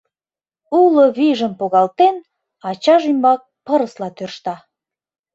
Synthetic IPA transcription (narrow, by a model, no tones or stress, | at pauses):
ulə̆βiʒə̆mpoɣɑlt̪en | ɑt͡ɕɑʒymbɑk̚pə̆ɾə̆slɑt̪ørʃt̪ɑ